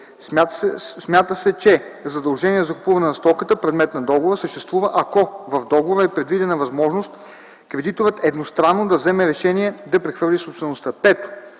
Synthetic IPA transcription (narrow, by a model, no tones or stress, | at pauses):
asmʲjat̪əsɛt͡ʃɛzɐd̪ɐlˠʒɛniɛzɐkupuvɐnɛnɐst̪ɔkət̪əpɾɛd̪mɛt̪nɐd̪ɔɡovɾəsəʃt̪ɛst̪vuvəʔɐkɔvɐvd̪ɔɡovoɾəɛpɾɛd̪vid̪ɛnəvɐzmɔʒnost̪ | kɾɛd̪it̪ovət̪ɛd̪nost̪ɾanːod̪ɐvzɛmɛɾɛʃɛniɛd̪ɐpɾɛxvɤɾlʲisopst̪vɛnost̪əpɛt̪o̥